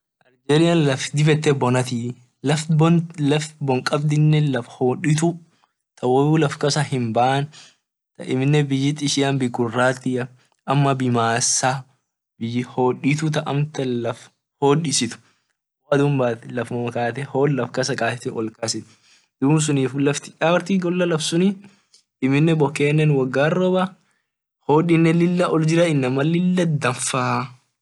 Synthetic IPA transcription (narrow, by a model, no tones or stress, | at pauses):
ʔɐɾd͡ʒɛlɪjɐnlɐfd̪ɪfɛt̪ːɛbɔnɐt̪i | lɐflɐfbɔŋkʼɐbd̪ɪnːɛlɐfhoːᶑɪt̪̬ʊ | t̪ɐwɔuːlɐfkɐsɐhɪmbɐʔɐn | t̪ɐʔɪmɪnːɛbɪjɪt̪ʼɪʃɪɐnbɪkʊrːaːt̪ːɪɐ | ʔɐmːɐbɪmaːsːaː | bɪjɪhoːᶑɪt̪ʊt̪ɐʔɐmt̪ɐlɐf | hoːᶑɪsɪt̪ʊ̥ | wad̪ʊmbaːt̪ɛlɐfnɐmɐkaːt̪ɛhoːlːɐfkɐsɐkaːɛt̪ɛʔɔlkɐsɪt̪ | d̪̥ʊbʊs̬ʊniːfʊlːɐft̪ɪ̥ʔaɾt̪iɡɔlːɐlɐfsʊni | ɪmɪnːɛbɔkːeːnːɛnwɐɡːaːrɔbɐ | hoːᶑɪnːɛlɪlːɐʔɔld͡ʒɪɾɐɪnːɐmɐlɪlːɐd̪ɐɱfaː